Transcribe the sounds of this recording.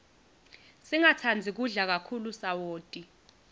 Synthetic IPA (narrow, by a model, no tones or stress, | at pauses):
siŋatʰand͡zʱik̬uɮak̬akʰulusawoːtʼi